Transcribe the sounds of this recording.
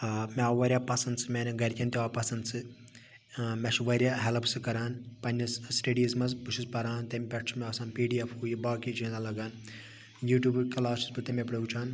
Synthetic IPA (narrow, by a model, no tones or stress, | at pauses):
meʋɐɾʲjaːpɐsɐnd̪sɨmʲenʲɡɐɾʲk̪ʲɐnt̪ʲeʋaːpɐsɐnd̪sɨ | mɛʃʋɐɾʲjaːɦɛlpsɨkɐɾaːnpɐnʲɐssʈeːɖizmɐzbuʃʰispɐɾaːnt̪ɐmʲpʲɐʈt͡ʃʰmeɐsaːnpiːɖiɐfʰhuːjibaːkid͡ʒʰĩːnd̪alɐɡaːn | juːʈʲjuːbkɐlaːsisbɨt̪ɐmʲepɽɐwt͡ʃʰaːn